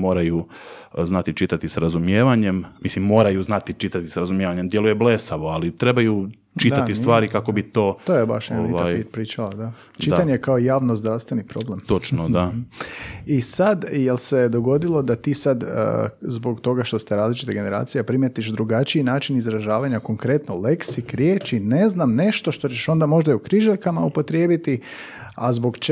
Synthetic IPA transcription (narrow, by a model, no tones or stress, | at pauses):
mo̞ːɾaju | znat̪it͡ʃit̪at̪isɾazumjeːʋaɲe̞mmislimːo̞ːɾajuznat̪it͡ʃit̪at̪isɾazumje̞ʋaɲemd̪je̞luje̞blesaʋo̞alit̪ɾe̞baju | t͡ʃit̪at̪ist̪ʋaːɾikako̞bit̪o̞ːt̪ojeba̰ʃjeiʋ̪ajipɾiːt͡ʃalad̪a | dt͡ʃit̪aɲejkaojaːʋnozd̪ɾaʋst̪ʋenipɾo̞ble̞mt̪o̞t͡ʃnod̪a | isad̪jelsed̪oɡo̞d̪ilˠo̞d̪at̪iːsad̪̰zbo̞ɡt̪o̞ɡaʃt̪o̞st̪eɾaːzlit͡ʃit̪eɡe̞ne̞ɾa̰ːt̪sijepɾimjet̪iʃd̪ɾuɡat͡ʃiinaːt͡ʃinizɾaʒaːʋaɲako̞ŋkɾe̞t̪nole̞ksikɾjeːt͡ʃine̞znamne̞ʃt̪o̞ʃt̪o̞t͡ɕeʃo̞nd̪amo̞ʒd̪aiukɾiʒaɾkamaupo̞t̪ɾjeːbit̪i | azbo̞ɡt͡ʃ